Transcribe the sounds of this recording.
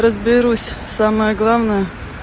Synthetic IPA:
ɾəzbʲɪɾusʲsaməjəɡlˠavnəjə

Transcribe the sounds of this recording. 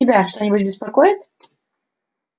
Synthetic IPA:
ɪbʲaʂt̪onʲɪbʊtʲbʲɪspɐkojɪt̪̚

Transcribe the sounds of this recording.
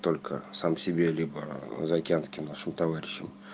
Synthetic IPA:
t̪o̞lʲkʰəsamsʲɪbʲe̞lʲibəzɐɐkʲɪanskʲɪmnaʂɨmt̪ɐvaɾʲɪɕːɪm

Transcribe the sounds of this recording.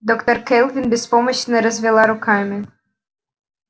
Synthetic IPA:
d̪ɔkt̪ɔrkɛlˠvʲinbʲɛspɔmɔɕnɛɾɔzʲvʲɛlˠaɾʊkamʲi

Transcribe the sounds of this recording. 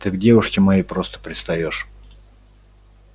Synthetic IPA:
t̪ɨɡdʲevʊʂkʲɪmɐjejpɾost̪ə̥pɾʲɪt̪st̪ɐjo̞ʂ

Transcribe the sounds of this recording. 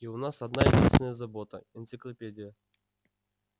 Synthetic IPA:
iʊnasɐd̪najɪdʲinst̪vʲɪnəjəzɐbot̪əɛnt̪sɨklˠɐpʲedʲɪjə

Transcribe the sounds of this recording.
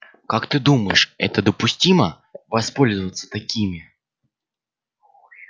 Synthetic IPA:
kakt̪ɨd̪uməjɪʂɛ̰t̪əd̪əpʊsʲtʲimə | vɐspo̞lʲzəvət̪sə̥t̪ɐkʲimʲɪ

